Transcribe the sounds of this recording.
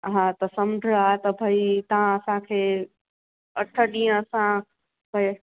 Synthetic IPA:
ɦãt̪ɐsɐmd͡ʒʱəat̪ɐbʱɐit̪ɐɦãəsãkʰeː | ɐʈʰəɗĩːə̃ːsã | bʱɐi

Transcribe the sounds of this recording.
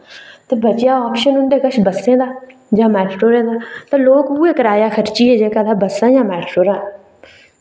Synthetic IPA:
t̪eːbət͡ʃɪjaːɔːpʃənʊnd̪eːkəʃbəsẽːd̪aː | d͡ʒãːmɛːʈʈoːɾẽːd̪aːt̪ãːloːkuːeːkəɾaːjaːkʰəɾt͡ʃiːɦeːd͡ʒeːkaːd̪aːbəsːãːjãːmɛːʈʈoːɾãː

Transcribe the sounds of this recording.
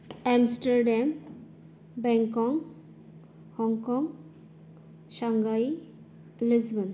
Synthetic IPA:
ɛmsʈəɾɖɛm | bɛŋkɔŋ | hɔŋkɔŋ | ʃaŋɡaj | lɪsbən

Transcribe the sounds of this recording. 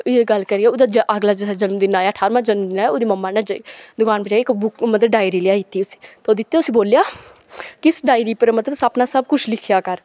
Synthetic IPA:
jeɡəlkəɾiːɛːʊd̪aːd͡ʒəʔəɡlaːd͡ʒesaːd͡ʒənmd̪ɪnaːjaːəʈʰaːɾmãːd͡ʒənmd̪ɪnaːoːd̪iːməmːaːnad͡ʒiːd̪ʊkaːnpəd͡ʒaːkbʊkmət̪əɖaːɪɾiːlɪjaːit̪ːiːʊsi̥ːt̪oːd̪ɪt̪ːeʊsiːboːljaː | kɪsɖaːɪɾiːpəɾmət̪ləbsapnaːsəb̚kʊt͡ʃʰlɪkʰjaːkəɾ

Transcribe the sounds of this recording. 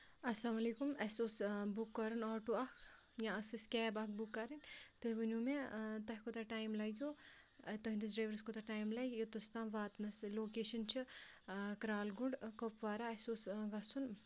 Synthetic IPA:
ɐslaːmɐleːkumɐsoːsbukːɐɾɐnaːʈuɐkʰ | jãɐsiskʲɛːbɐkbukːɐɾɐnʲt̪uɦʋɐnʲuːmẽt̪ɐɦkot̪ɐʈaːjmlɐɡjoː | ɐt̪ɐɦnd̪is̬ɖɾeːʋɐɾskot̪ɐʈaːjmlɐjjot̪ɐst̪ãːmʋaːt̪nɐsloːkeːʃɐnt͡ʃʰi | kɾaːlɡuɳɖkopʋaːɾaɐsoːsɡɐsun

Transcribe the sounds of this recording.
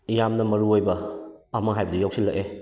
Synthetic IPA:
ijamnɐmɐɾuojbɐːmaŋɦajbɐdijawsilːɐke

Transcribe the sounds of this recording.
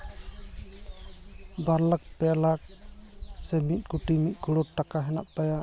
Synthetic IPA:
baɾlak̚pɛlak̚ | sɛmit̪̚ˀkuʈimit̪̚ˀɡuɽɔʈːakaɦɛnaʔ̚t̪aja

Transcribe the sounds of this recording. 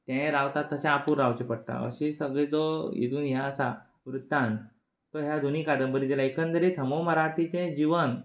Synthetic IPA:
t̪ẽɾaʋt̪at̪ːət͡ɕaːpuːɾːawt͡ɕepəɽʈ̪a̰ə̰ɕĩsəɡɭed͡zoḭt̪uːnɦjaəsa̰ | ʋɾut̪ːãnt̪ | t̪oɦjad̪ʱunikad̪əmbəɾĩd̪elaekənd̪əɾet̪ʰəmoməɾaʈʰit͡ɕẽd͡ʑiʋən

